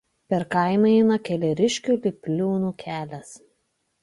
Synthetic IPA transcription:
pʲɛɾkɑɪmɐɛɪnɐkʲɛlʲɛɾʲɪʃʲkʲuːlʲɪpʲlʲuːnuːkʲʰæːlʲɛs

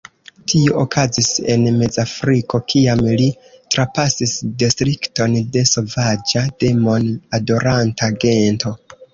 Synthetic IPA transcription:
tʰioʔokʰazise̞̰nme̞d͡zafɾiko̞kʰiamli | tɾapasisdistɾikto̞nde̞so̞vad͡ʒad̥e̞mo̞nado̞ɾantaɡe̞nto̞

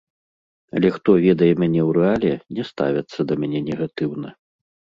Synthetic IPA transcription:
ɐ̰lʲɛxt̪ɔvʲɛd̪ɐjɛmʲanʲɛwɾɛalʲɛnʲɛst̪a̰vʲɐt̪sːɐd̪ɐmʲanʲɛnʲɛɣat̪ɨwnɐ

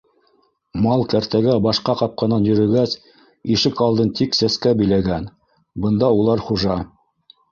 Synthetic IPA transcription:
mɑlˠkæɾt̪æɡæbɑʃqɑqɑp̚qɑnɑnjɵ̆ɾɵ̆ɾɡæs | iʃɘkɑlˠd̪ɤnt̪iksæskæbɘ̆jlæɡæn | bɤ̆nd̪ɑulˠɑɾχuʒɑ

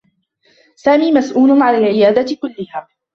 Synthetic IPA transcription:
saːmiːmasʔuːlʊʕalaːlʕɪjaːd̪akʊlːɪhaː

